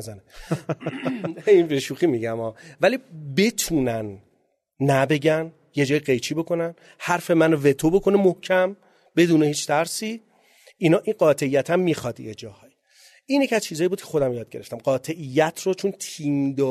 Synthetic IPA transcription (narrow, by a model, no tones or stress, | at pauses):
zæne | inbeʃuːxiːmiɟæmɒːvælibe̞t̪ʰuːnænː | æbe̞ɟæn | je̞d͡ʒɒːjiɢejt͡ʃʰiːbo̞kʰo̞næn | hæɾfe̞mænve̞t̪ʰobo̞kʰo̞nemohcʰæm | b̥e̞d̪uːnehiːt͡ʃt̪ʰæɾsiː | inɒːʔiɢɒːt̪ʰe̞ijːæt̪ʰæmːixɒd̪ḭjed͡ʒɒːhɒːj | iːnjecʰʲiæzt͡ʃʰiːzɒːjibud̪kʰexo̞d̪æmjɒːd̪̚ɡe̞ɾe̞ft̪ʰæmɢɒːt̪ʰe̞ʔijːæt̪ʰrot͡ʃʰont̪ʰiːmd̪ɒː